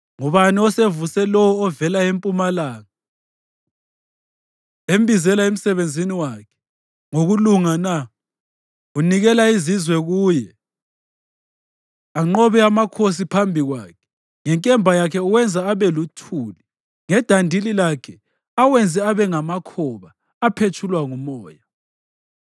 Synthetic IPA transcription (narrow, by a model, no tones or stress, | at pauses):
ŋɔβaniɔsevusɛlɔwɔːvɛlaempʼumalaːŋa | embʱizɛlaem̩sɛβend͡zʱiniwakʰɛ̥ | ŋoɣuluŋana | uniɣɛlaizizwɛɣuːjɛ | aŋ͡ǃɔβɛamakʰos̬ipʰambʱiɣwaːkʰɛ̥ | ŋɛŋkʼɛmbʱajakʰɛuwɛnd͡zʱaːβɛlutʰuːli | ŋɛd̥ʱandʱililakʰɛ | awɛnd͡zʱɛaβɛŋamakʰɔβaː | pʰet͡ʃʰulwaŋumɔːja